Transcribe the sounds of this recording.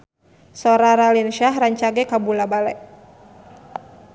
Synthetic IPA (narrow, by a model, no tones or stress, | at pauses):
sɔɾaɾalinʃaɦraɲt͡ʃaɡɛkabulabalɛ